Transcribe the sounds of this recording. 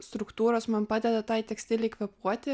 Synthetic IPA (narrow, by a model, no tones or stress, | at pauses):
st̪ɾʊkt̪uːɾoːsmɐnpɑːd̪ʲɛd̪ɐt̪ɑɪt̪ʲɛksʲt̪ʲɪlʲɛɪkʋʲɛpuɔt̪ʲɪ